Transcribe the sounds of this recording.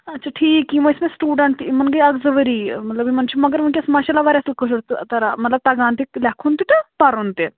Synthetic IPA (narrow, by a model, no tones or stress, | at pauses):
ɐtːt͡ʃʰaːʈʰiːkːimoɪsmẽsʈuːɖəɳʈimɐnɡɐiɐɡzɐʋəɾiːmɐt̪ləbimɐnt͡ʃʰumɐɡəɾmɐnkʲɐsmaːʃalaʋaːɾɐsəlkəsɽt̪t̪ɐɾamɐt̪ləb̚t̪aːɡãːnt̪iklɛːkʰõnt̪it̪ɐpɐɾɦont̪e